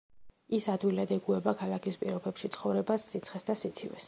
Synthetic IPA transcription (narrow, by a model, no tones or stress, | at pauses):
isad̪wilad̪ɛɡuɛbakʰalˠakʰispʼiɾɔbɛpʃit̪sʰχɔvɾɛbasːit̪sʰχɛsd̪asit̪sʰivɛ̰s